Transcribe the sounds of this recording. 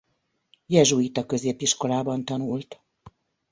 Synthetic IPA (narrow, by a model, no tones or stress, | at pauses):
jɛʒuit̪ɒkø̞zeːpiʃko̞laːbɒnt̪ɒnult̪